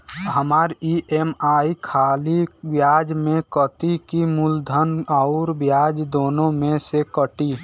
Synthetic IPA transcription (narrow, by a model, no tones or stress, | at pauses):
ɦəmaːɾiʔemaːikʰaːlibjaːd͡ʒmẽkət̪ikimʊld̪ʱənɔʊɾbjaːd͡ʒd̪oːnõmẽsekəʈi